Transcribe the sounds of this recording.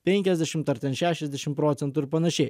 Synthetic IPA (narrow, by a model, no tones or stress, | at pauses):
pʲɛŋʲkʲɛzʲd̪ʲɛʃʲɪmt̪ɐɾʲt̪ʲɛnʃʲæːʃʲɛzʲd̪ʲɛʃʲɪmpɾɔːt̪sʲɛnt̪ʊɪɾpɐnɐʃʲɛɪ